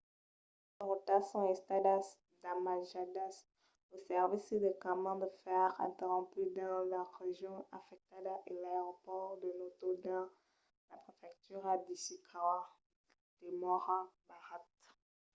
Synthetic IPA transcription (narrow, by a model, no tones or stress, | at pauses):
ɔʁot̪asɔ̃ɛ̃st̪ad̪as | d̪amaʒad̪as | osɛʁvisd̪əkamɑ̃d̪əfɛʁɛ̰̃t̪eʁɔ̃pyd̪ɑ̃laʁeʒjɔ̃afɛk̚t̪ad̪aʔelaeʁɔpɔʁd̪ənot̪od̪ɑ̃ | lapχefɛk̚t̪yʁad̪isikʰawa | d̪̥emɔʁabaʁat̪